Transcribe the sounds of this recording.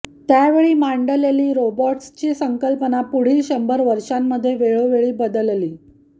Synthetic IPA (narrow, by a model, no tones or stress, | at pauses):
t̪jaʋeɭiːmaɳɖəleliːɾobɔʈst͡ɕiːsəŋkəlpənapuɽ̤iːlɕəmbəɾʋəɾʂamːəd̪ʱːjeʋeɭoʋeɭiːbəd̪əlliː